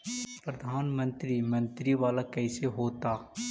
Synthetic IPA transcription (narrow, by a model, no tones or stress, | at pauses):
pɾɐd̪ʱaːnmə̃nt̪ɾimɐ̃nt̪ɾiʋaːlakɛːseɦoːt̪aː